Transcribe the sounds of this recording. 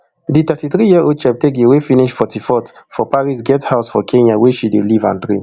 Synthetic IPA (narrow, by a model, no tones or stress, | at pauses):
dit̪ɛtiθɹijiɛʔot͡ʃɛp̚tek̬iwefiniʃfɔtʰifɔtfɔpaɹis̬ɡɛthaʊsfɔkʰẽnaweʃidelivã̰ntɹĩn